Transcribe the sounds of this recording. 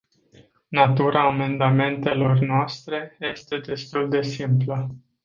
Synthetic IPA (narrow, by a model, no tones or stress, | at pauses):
nat̪uɾaːme̞nd̪ame̞nt̪e̞lo̞rnoast̪ɾe̞je̞st̪e̞d̪e̞st̪uld̪e̞simplə